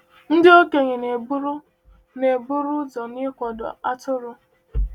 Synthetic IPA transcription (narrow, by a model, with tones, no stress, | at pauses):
n̩˦dɪ˦o˦ke˨ɲɪ˨ne˨bu˦ɾʊ˦ | ne˨bʊ˦ɾʊ˦zɔ˨nɪ˦kʷɔ˨dʊ̰˨a˦tʊ˦ɾʊ˦